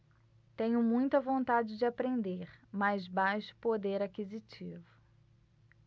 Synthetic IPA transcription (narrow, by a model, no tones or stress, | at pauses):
t̪ẽɲʊmũj̃t̪ɐvõnt̪ad͡ʒɪd͡ʒɪapɾẽnd̪eɾmajzbajʃʊ̥pod̪eɾakizit͡ʃivʊ